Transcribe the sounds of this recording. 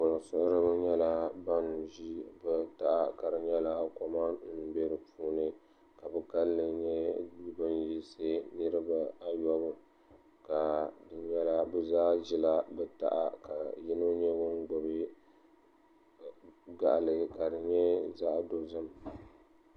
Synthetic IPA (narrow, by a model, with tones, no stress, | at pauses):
ʊ˨lsʊ˦ʔʊ˦ɾɨ˦bɲɛ˦la˦ba˦n˨ʒi˦bɛ˦ta˨ʔa˦ka˨ɾɨ˨ɲɛ˦la˦a˦kɔ˦ma˦n̩˦˨be˦ɾɨ˨pʰuː˦nɨ˦ | ka˨bɨ˦ka˦lːɨ˨ɲɛ˦bi˦bɨ˦n˦jɛ˦sɨ˦nɨ˦ɾɨ˦ba˦a˦jɔ˦bʊ˦ | ka˨dɨ˨˦ɲɛ˦la˦bɛ˦zaː˦ʒi˦la˦bɛ˦ta̰˨ʔa̰˦ka˨ji˦no˦ɲɛ˦wʊ˦n˦ɡɔ˨bɨ˦ | ɡa̰˨ʔlɨ˨ka˨dɨ˨ɲɛ˦za˦ʔdo˦zɨ˦m